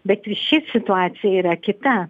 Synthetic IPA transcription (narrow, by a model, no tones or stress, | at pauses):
bʲɛt̪ʲʃʲɪsʲɪt̪ʊaːt̪sʲɪjɛiːɾɐkʲɪt̪ɐ